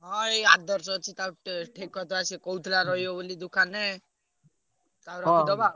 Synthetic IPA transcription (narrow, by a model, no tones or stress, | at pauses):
ɦɔ̃ead̪ɔɾsɔt͡ʃʰit̪awʈʈʰekɔt̪ɔasekɔwt̪ʰlaɾɔɦjɔbolid̪ukʰanɛ | t̪awɾɔkd̪ɔba